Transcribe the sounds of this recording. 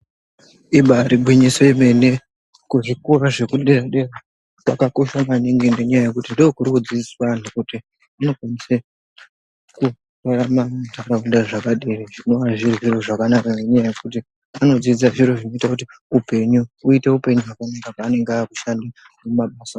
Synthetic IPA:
iɓaɾibʱwiɲisoime̞ne̞ | kuʐikoɾaʐe̞kuɗeraɗe̞ra | kakako̞ʃamaniŋɡendeɲajaje̞kutindoːkurikud͡ziiswanokuti | ano̞kwanise | ku | raɾamatakaundaʐakaɗeraʐino̞ʋaʐiroʐiro̞ʐakanakaŋeɲajajekut̬i | ano̞d͡zizaʐiɾo̞ʐino̞itakuti | upe̞ɲuuite̞upe̞ɲuwakanakakaːne̞ŋɡeaku̥ʃanda | mumaɓasa

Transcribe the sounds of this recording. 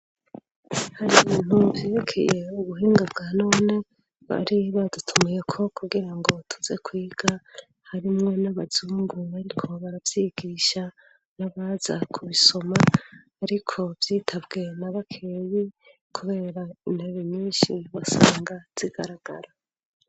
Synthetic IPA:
haɾiβiːn̥uvje̞ɾekʰe̞̰je̞uɡuɦiːŋɡabɡano̞ːne̞ | βa̰ɾiβadutʰumuje̞kʰo̞kʰuɡiɾaŋɡo̞tʰuze̞kʰwiːɡ̥a | haɾimŋo̞naβazuːŋɡuβaɾikʰo̞βaɾavjiɡ̥iːʃa | naβazakʰuβiso̞maː | ɾikʰo̞vjiːtʰabɡe̞naβakʰeːji | kʰuβe̞ːɾaineβiɲɲiːnʃiβasaːŋɡaz̥iɡ̥aɾaɡ̥a̰ɾa

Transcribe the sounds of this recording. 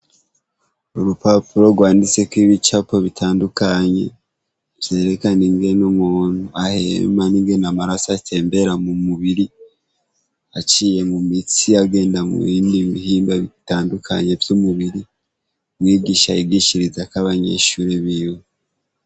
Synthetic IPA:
oɾupapuɾo̞ɡwaːndit͡se̞kwiβit͡ʃapo̞βitʰaːndukaɲe̞̰ | vje̞ːɾe̞kaniŋɡe̞numuːn̥huahe̞̰maniŋɡe̞namaɾasatʰe̞ːmbe̞ɾamumuβiɾi | at͡ʃije̞mumit͡siaɡe̞ːndamṵβiːndiβihiːmbaβitaːndukʰa̰ɲe̞vjumuβiɾi | ɾwiːɡiːʃajiɡiʃiɾizakaβaɲe̞̰ʃuːɾeβiwe

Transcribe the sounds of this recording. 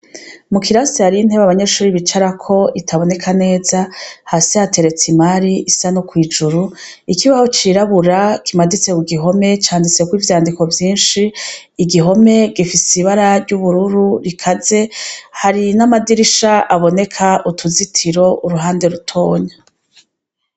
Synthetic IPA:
mukiɾasihaɾiin̥he̞βaβaɲe̞ʃuːɾiβit͡ʃaɾakʰo̞itʰaβo̞ne̞kʰane̞ːzahasihate̞ɾe̞t͡simaɾiʔisanokwiːd͡ʒuɾu | ikiβaho̞t͡ʃiːɾaβuɾakimadit͡se̞uɡiɦo̞me̞t͡ʃaːndit͡se̞kwiːvjaːndiko̞vjiːnʃiː | ɡiɦo̞me̞ɡifisiβaɾaɾɟuβuɾuɾuɾikʰaze̞haɾinamadiɾiʃaʔaβo̞ne̞kʰaʔutʰuzitʰiɾo̞ʔuɾuɦaːnde̞ɾutʰo̞ːɲa

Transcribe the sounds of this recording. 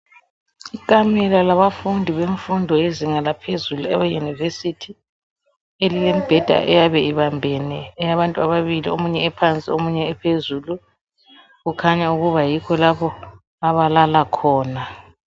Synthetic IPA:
ikʼamɛlalaβafundʱiβeɱfundʱɔeziŋalapʰezuluɛβɛjunivesitʰi | elilemib̥ʱɛd̥ʱa̰ʔɛjaβɛiβambʱɛnɛːjaβantʼuaβaβiliomuɲɛːpʰant͡sʼiomuɲɛːpʰezulu | ɣukʰaɲauɣuβajikʰɔlaβɔ | aβalalakʰɔːna

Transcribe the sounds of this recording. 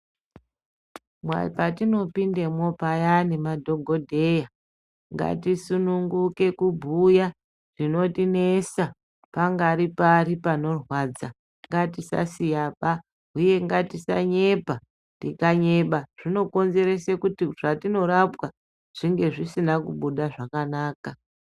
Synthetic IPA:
mwa̰ḭpatino̞pinde̞mo̞pajanemadʱo̞ɡʱo̞dʱe̞ja | ŋɡa̰tisunuŋɡuke̞kubʱuja | ʐ̥ino̞tine̞sa | paŋɡaɾiparipano̞rwad͡za | ŋɡatisa̰sijapa | uje̞ŋɡatisa̰ɲe̞pa | tikaɲe̞ɓaʐ̥ino̞ko̞nze̞ɾe̞sekutiʐatino̞ɾapwa | ʐ̥iŋɡe̞ʐisinakuɓuɗaʐakanaːka

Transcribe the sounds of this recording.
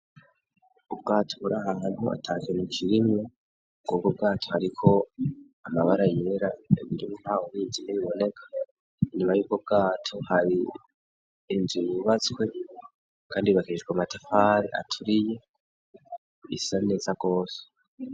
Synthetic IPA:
ub̚ɡaːtʰoβuɾahaɦan̥hua̰tʰakenikʰiɾimɲo | ɡ̥uɡob̚ɡaːtʰo̞haɾikʰo̞ | amaβaɾajeɾaeβiɾimun̥awoβiːnziniβiβo̞ne̞kʰḁ | nimajuːɡob̚ɡaːtʰo̞haɾi | nziβuβat͡swe̞ | kʰaːndiβakiʒɡwamatafaːɾḭʔa̰tʰuɾije̞ | ḭsane̞ːzaɡ̥o̞ːse̥

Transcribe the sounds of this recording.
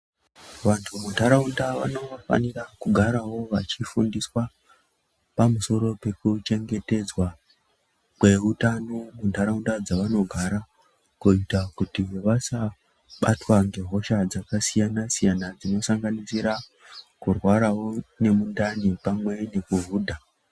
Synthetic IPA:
ʋantʰumundaɾaundaʋa̰no̞fa̰nirakuɡʱaɾawo̞ʋa̰t͡ʃifundiswa | pamuso̞ɾo̞pe̞kut͡ʃe̞ŋɡe̞te̞d͡zwa | kwe̞utanomuntaɾaundad͡zaʋano̞ɡʱaɾa | kuitakutiʋasa | ɓatwaŋɡe̞ɦo̞ʃad͡zakasijanasijanad͡zino̞saŋɡanisiɾa | kurwaɾawo̞ne̞mundanipamwe̞ne̞kuɦuːdʱa

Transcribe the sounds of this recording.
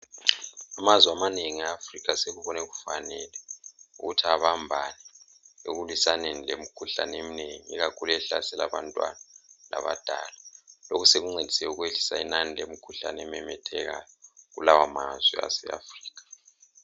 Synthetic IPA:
amazwamaneŋiaːfrik̬aseɣuβɔnɛɣufanɛlɛṵɣutʰiaβambʱanɛ | oɣulwisanenilem̩kʰuɬa̰nemineŋiiɣakʰulɛɬa̰sɛlaβantʼwa̰nala̰βa̰d̥ʱalalokʰuseɣuŋ͡ǀed̥ʱi̥sɛuɣweɮisainanilemikʰuɬa̰nɛmɛmɛtʰɛɣa̰jɔɣṵlawamazwḭa̰sɛ̰a̰friːk̬ḁ

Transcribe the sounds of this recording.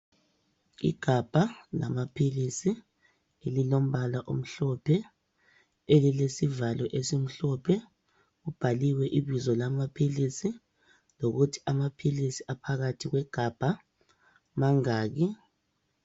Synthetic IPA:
ḭɡ̥ʱab̥ʱala̰mapʰilisi | elilom̩βalaʔo̰m̩ɬɔpʰɛ | elilesivalɔʔesim̩ɬɔpʰɛ | ɣub̥ʱaliwɛʔiβizɔlamapʰilisi | loɣutʰi̥amapʰilisi̥apʰaɣatʰiɣwɛɡ̥ʱab̥ʱa | maŋaːɣi

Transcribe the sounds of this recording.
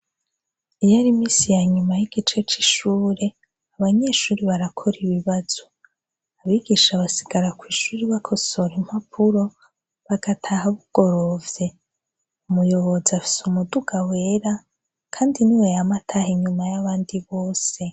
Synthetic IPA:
ijaɾimiːsijaɲumajiɡ̥it͡ʃe̞t͡ʃi̥ʃuːɾe̞ | aβaɲe̞ʃuːɾiβaɾakʰo̞ɾiβiβaz̥o | aβiːɡiʃaβasiɡaɾakwiːʃuːɾiβakʰo̞so̞ɾim̥hapʰuɾo̞ | βaɡ̥atʰahaβuɡ̥o̞ɾo̞vje̞ | umujo̞βo̞ziafi̥sumuduɡawe̞ːɾa | kʰaːndiniwejamatʰahiɲumajaβaːndiβoːse̞

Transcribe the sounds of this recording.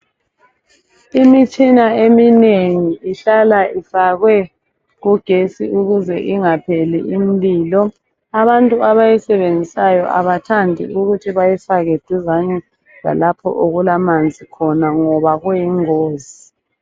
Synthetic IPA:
imit͡ʃʼinaemineŋiiɬalaʔifaɣwɛ | ɣuɡ̥ʱesḭʔuɣuzɛ̰ʔiŋapʰelḭːm̩biːlɔ | aβantʼuaβajɛsɛβend͡zʱisajɔʔa̰βatʰandʱḭuɣutʰiβajɛfaɣed̥ʱizaɲɛ | la̰lapʰɔ̰ʔoɣulamand͡zʱikʰɔnaŋɔβaɣwujiŋoːzi

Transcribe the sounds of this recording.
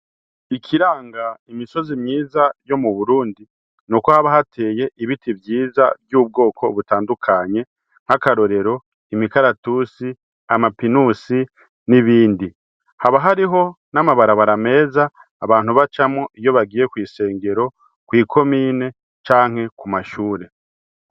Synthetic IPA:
ikʰiɾaːŋɡaimiso̞zimɲiːzajo̞muβuɾuːndi | nukohaβaɦatʰe̞ːje̞ʔiβitibjiːza̰bjuːb̚ɡo̞ːkʰo̞βutaːndukʰaɲe̞ | ŋ̥hakaɾo̞ɾe̞ɾo̞ | imikaɾatusi | amapinusi | niβiːndi | haβaɦaɾiɦo̞ | namaβaɾaβaɾame̞ːzaː | βaːn̥huβat͡ʃamoʔijo̞βaɡiːje̞kwiːse̞ːŋɡe̞ɾo̞ | kwiːkʰo̞miːne̞ | t͡ʃaːŋ̥he̞kumaʃuːɾe̞

